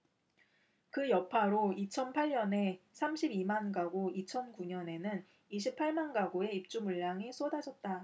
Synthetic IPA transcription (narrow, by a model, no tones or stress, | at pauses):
kɯjʌpʰaɾoit͡ɕʰʌnpʰaʎɲʌne̞sʰamɕʰibimanɡaɡoit͡ɕʰʌnkuɲʌne̞nɯn | iɕ̬ʰipʰaɭmanɡaɡoe̞ip̚t͡ɕ͈umuɭːaŋesʰodad͡ʑʌt̚t͈a